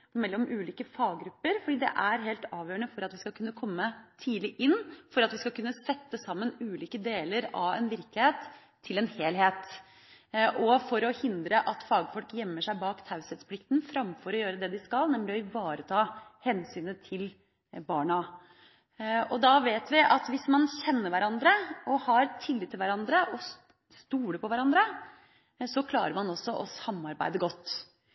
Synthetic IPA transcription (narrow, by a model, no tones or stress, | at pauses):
mɛlːɔmʉːliːkəfɑːɡɡɾʉpːəɾfɔɖiːd̪ɛ̰ʔæɾɦeːlt̪ɑːʋjøːəɳəfɔɾɑt̪ʋɪskɑkʰʉnːəkʰɔmːət̪ʰiːlɪʔɪnːfɔɾɑt̪ʋɪskɑkʉnːəsɛt̪ːəsɑmːənʉːliːkəd̪eːləɾɑʋɛ̰nʋɪɾklɪheːt̪ʰː | ɪlɛnheːlheːt̪ | ʔɔfɔɾɔhɪnd̪ɾəʔɑt̪fɑːɡfɔlkjɛmːəʂæɪbɑːkt̪ʰɑʉsɛt̪spʰlɪkt̪nfɾɑmfɔɾɔjøːɾəd̪ɛd̪ɪskɑlnɛmlɪɔɪʋɑːɾət̪ʰɑːhɛnsyːnət̪ʰɪl | bɑːɳɑ | ɔd̪ɑʋeːt̪ʋɪʔɑt̪ʋɪsmɑnçɛnːəɾʋæɾɑnd̪ɾəɔhɑɾt̪ʰɪlːɪt̪ʰːɪlʋæɾɑnd̪ɾəʔɔ | st̪uːləpʰɔʋæɾɑnd̪ɾə | sɔkʰlɑ̰ːɾəɾmɑnɔsːɔʔɔsɑmːɑɾbæ̰ɪd̪əɡɔt̪ː